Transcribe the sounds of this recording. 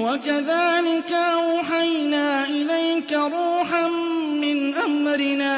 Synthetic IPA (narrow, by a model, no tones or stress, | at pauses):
wakaðaːlɪkaʔħajnaːʔɪlajkaɾuːħanmɪnʔamɾɪnaː